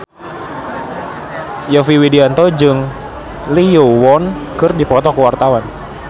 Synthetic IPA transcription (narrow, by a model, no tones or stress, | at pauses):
jɔfiwidiant̪ɔd͡ʒɨŋ | lijuwɔnkɨrdipɔt̪ɔkuwart̪awan